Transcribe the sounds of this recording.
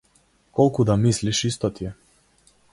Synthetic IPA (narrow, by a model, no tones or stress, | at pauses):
kɔlˠkud̪amisliʃist̪ɔt̪iɛ